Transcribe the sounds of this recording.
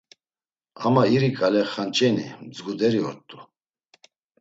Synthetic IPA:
amaiɾikʼalɛχant͡ʃʼɛnḭmd͡zɡud̪ɛɾiɔ̰ɾt̪ʼu

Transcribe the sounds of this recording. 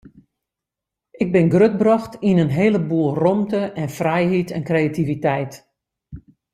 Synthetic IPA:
ɪɡ̚bɪnɡrøt̚brɔxtinənɦeːləbuːlˠrɔmtəɛnfrɛjɦitɛnkrejativitɛjt

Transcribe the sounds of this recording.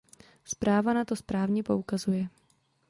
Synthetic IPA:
spɾaːvanat̪o̞spɾaːvɲɛpo̞ukazujɛ

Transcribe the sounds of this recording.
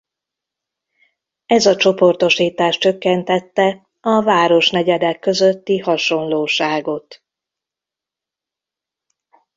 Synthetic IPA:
ɛzɒt͡ʃo̞po̞rt̪o̞ʃiːt̪aːʃt͡ʃø̞kːɛnt̪ɛt̪ːɛ | ɒvaːɾo̞ʃnɛɟɛd̪ɛkːø̞zøt̪ːihɒʃo̞nloːʃaːɡo̞t̪

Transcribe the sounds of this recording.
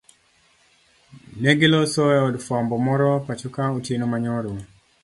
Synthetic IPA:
nɛɡɪlosɔɛɔdfambɔmɔɾɔpat͡ʃɔkautjenomaɲɔɾoŋ

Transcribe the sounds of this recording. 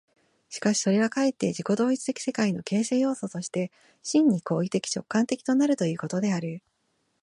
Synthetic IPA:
ɕi̥kaɕi̥so̞ɾe̞ɡakaet̪ːe̞d͡ʑiko̞d̪o̞ːit͡sɨ̥t̪e̞kʲi̥se̞kaino̞ke̞ːse̞ːjo̞ːso̞t̪o̞ɕi̥t̪e | ɕĩɲ̟ːiko̞ːit̪e̞kʲi̥t͡ɕo̞kːãnt̪e̞kʲi̥t̪o̞naɾɯ̟t̪o̞jɯ̟ːko̞t̪o̞d̪e̞aɾɯ̟

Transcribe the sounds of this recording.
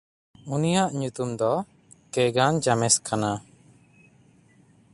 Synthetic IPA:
unijaʔɲut̪umd̪ɔ | kɛɡand͡ʒamɛskana

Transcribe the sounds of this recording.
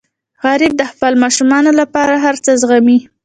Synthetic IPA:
ɣɑɾɪb̚d̪əxfalmɑʃumɑnolapɑɾaɦaɾt͡səzɣami

